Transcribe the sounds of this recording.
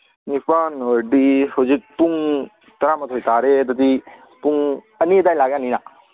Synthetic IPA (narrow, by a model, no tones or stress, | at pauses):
nipanoɖisod͡ʒik̚puŋ | t̪ɐɾamɐt̪ʰojt̪aːɾed̪ɐt̪i | puŋ | ənid̪aːjlaːɡãnina